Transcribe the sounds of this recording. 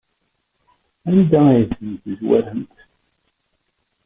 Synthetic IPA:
ænd̪ææjθənt̪əzwæ̰ɾhəmt̪

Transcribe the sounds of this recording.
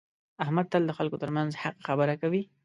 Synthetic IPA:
ahmad̪̚t̪əld̪əxalkot̪əɾmanzhaqxabəɾakawi

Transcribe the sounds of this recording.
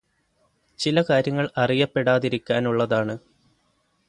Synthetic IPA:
t͡ɕilɐkaːɾjɐŋːɐɭɐrijɐpːe̞ɽaːðiɾikʲːaːnuɭːɐðaːɳɨ

